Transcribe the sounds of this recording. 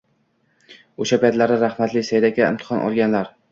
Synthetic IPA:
oʃapʰajt̪laɾd̪aɾaχmat̪lɪsajd̪akʲaɪ̰mt̪ʰɪ̥χɒnʔɒ̰lˠɡʲanlaɾ

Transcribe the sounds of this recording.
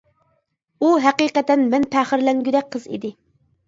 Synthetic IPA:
uɦæqiqɛt̪ɛnmɛnpʰæχəɾlɛŋɡʲyd̪ɛk̚ʲqʰəzḭd̪ɪ

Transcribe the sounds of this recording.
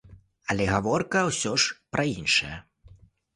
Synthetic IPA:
ɐlʲɛɣavɔrkɐwsʲɔʂpɾɐinʂɐjɐ

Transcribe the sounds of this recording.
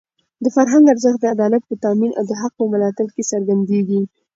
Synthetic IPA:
d̪əfaɾɦaŋɡaɾzəxt̪̚d̪əad̪ɑlat̪̚pət̪ɑminʔa̰wd̪əɦaq̚pəməlɑt̪ɪlkesaɾɡand̪eɡi

